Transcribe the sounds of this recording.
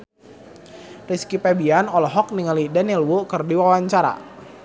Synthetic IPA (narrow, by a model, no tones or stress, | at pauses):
riskipɛbianɔlɔɦɔk̚niŋalidanilwukərdiwawaɲt͡ʃaɾa̰